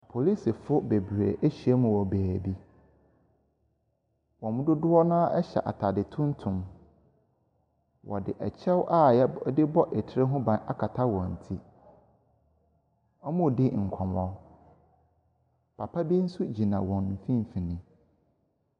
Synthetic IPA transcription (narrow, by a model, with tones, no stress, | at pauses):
pʰo˨li˦si˨fʊ˦be˨bɥɾḛ˨ʔe˦ɕi˨a˦mʊ̃˨wɔ˨bæː˨bi˦ | wɔ̃˨mʊ̃˦dʊ˦dʊ˦ɔ˦nãː˦ʔɛ˦ɕɛ̰˨ʔa̰˨tʰa˨dɪ˨tʰʊ̃˦n˦tʰʊ̃˨m | wʔɔ̰˨dɪ˨ʔɛ˨t͡ɕʰɛ˦wʔa˦˨jɛ˦dɪ˦bɔ˦ʔe˨tʰɪ˦ɾɪ˦ɦʊ̃˦bã˨na̰˦kʰa˨tʰa˦wɔ̃˨n̩˨tʰi˦ | ɔ˦mʊ̃˦˨dɪ˦ŋ̩˨kʷʰɔ̃˨mɔ˦ | pʰa˨pʰa˦bi˦n̩˦sʊ˦d͡ʑi˨nã˨wɔ̃˨n̩˨fĩ˦m̩˨fĩ˨nɪ̃˨